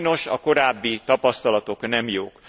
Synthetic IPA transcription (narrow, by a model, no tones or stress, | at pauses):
no̞ʃɒko̞ɾaːbːit̪ɒpɒst̪ɒlɒt̪o̞knɛmjoːk